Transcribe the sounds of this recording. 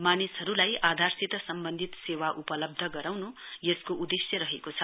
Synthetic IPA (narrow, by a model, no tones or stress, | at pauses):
manisɦʌɾulajad̪ʱarsit̪ʌsʌmbʌnd̪ʱit̪sewaʔupʌlʌb̚d̪ʱʌɡʌɾawnu | jeskoʔud̪esjʌɾʌɦekot͡sʰʌ